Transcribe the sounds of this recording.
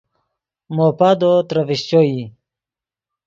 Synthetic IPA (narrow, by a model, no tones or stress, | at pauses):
mopad̪ot̪ɾaviɕt͡ɕoi